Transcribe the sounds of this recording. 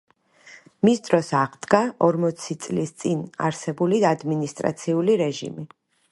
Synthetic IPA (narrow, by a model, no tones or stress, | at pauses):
misd̪ɾɔsaʁd̪ɡaʔɔɾmɔt̪sʰit̪sʼlist̪sʼina̰ɾsɛbuliad̪minist̪ʼɾa̰t̪sʰiuliɾɛʒḭmi